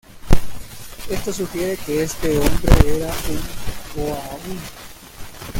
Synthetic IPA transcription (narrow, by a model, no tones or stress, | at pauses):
e̞st̪os̬uxjeɾe̞keest̪e̞ombɾeeɾauŋboaβun